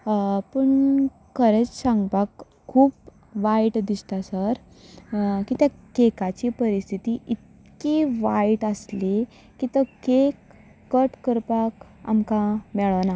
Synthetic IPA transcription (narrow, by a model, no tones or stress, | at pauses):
pəɳ | kʰəɾet͡ssãŋɡpakʰː | uːp | ʋaiʈd̪ist̪asəɾ | kit̪jakekat͡ɕipəɾist̪ʰit̪iʔit̪̚ | kiʋaiʈəsli | kit̪əkekː | əʈkəɾpak | a̰mkãmɛɭəʋna